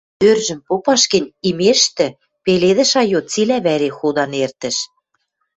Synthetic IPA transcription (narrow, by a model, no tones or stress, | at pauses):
ørʒə̆mpopɑʃkə̆nʲimeʃt̪ɘ̆ | peleðə̆ʃɑjot͡silæβæɾexud̪ɑnert̪ə̆ʃ